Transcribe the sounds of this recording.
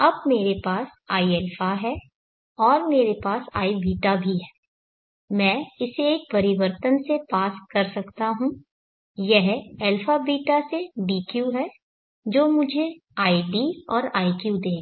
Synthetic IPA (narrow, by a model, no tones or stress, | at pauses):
ɐb̚meːɾepaːsaːiɛːlfʰaɦɛː | ɔːɾmeːɾepaːsa̰ːibʱiːʈabʱiɦɛː | mɛ̃ːɪseeːk̚pɐɾɪʋəɾt̪ənsepaːskɐɾsɐkt̪aɦũ | jɛɦɛːlfʰabʱiːʈaseɖiːkjuɦɛː | d͡ʒoːmʊd͡ʒʱeaːiɖiːɔːɾaːikjud̪eː